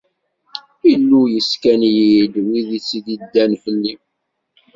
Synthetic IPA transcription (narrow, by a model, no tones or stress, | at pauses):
ilːujəskænjid̪wiðit͡sːid̪id̪ːænfəlːi